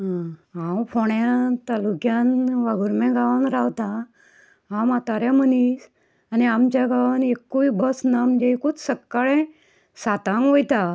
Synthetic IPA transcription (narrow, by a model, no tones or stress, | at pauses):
ɦaɦãwfʰɔɳjat̪alukjanʋaɡuɾmɛ̃ɡaʋanɾawt̪a | ɦãmat̪aɾjãmənis | aniamt͡ɕaɡaʋnekːuibəsnaməd͡ʑeikut͡ssəkːaɭɛ̃ | sat̪ãŋɡʋojt̪a